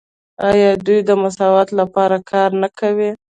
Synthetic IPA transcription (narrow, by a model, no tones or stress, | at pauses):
ɑjɑd̪ujd̪əmʊsɑwat̪lapɑɾakʰɑɾnakʰawi